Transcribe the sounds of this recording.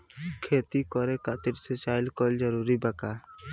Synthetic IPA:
kʰet̪ikɔɾɛkaʔt̪iɾsɛt͡ʃajlkɔld͡ʒɔɾuɾibaka

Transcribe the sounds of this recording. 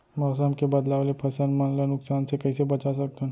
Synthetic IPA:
mɔːsəmkebɐd̪laːʋalepʰɐsənmɐnlenʊksaːnsekɐisebɐt͡ʃasɐk̚t̪eɦ

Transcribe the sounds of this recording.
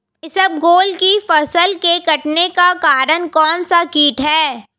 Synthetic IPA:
jesɐb̚ɡoːlkifɐsəlkekɐʈnekakaːɾənkɔːnsakiːʈɦɛː

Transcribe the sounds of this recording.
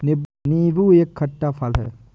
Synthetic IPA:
nɪbniːbuːeːkʰːɐʈːapʰɐlɦɛ̰ː

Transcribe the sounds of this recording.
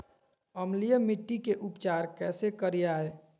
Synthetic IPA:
əmlijəmɪʈːikeʔʊpt͡ʃaːɾkɛːsekəɾijaɦeː

